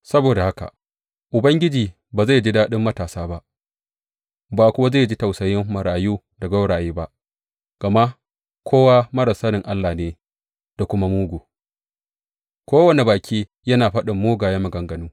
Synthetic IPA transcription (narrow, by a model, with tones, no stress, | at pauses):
sɐ˦boː˨da˨ha˦ka̰˨ʔ | ʔʊ˨bɐ˦ŋɡʲɪ˦d͡ʒiː˨ | baː˨za˦˨jd͡ʒi˦daː˦ɗɪ˦mːɐ˦taː˨saː˦ba˦ʔ | baː˨kʷʊ˦wa˦za˦˨d͡ʒi˦ta˨wsɐ˨jɪ˦mːɐ˨ɽaː˨juː˦ | da˨ɡa˦wɽaː˨jeː˦ba˦ʔ | ɡ̥a˨ma˦ʔ | kʰʷoː˦wa˦mɐ˦ɾɐ˨sɐ˦ɾɪ˨ŋʔa˦lːaː˨neː˦ | d̥a˨kʷʊ˦ma˦muː˦ɡuː˨ | kʷoː˦wɐ˨ne˨baː˨kʲʰiː˦ | jɐ˦naː˨ɸɐ˦ɗɪ˨mːoː˦ɡaː˨ja˦mɐ˨ɡɐ˨ŋɡɐ˨nuː˦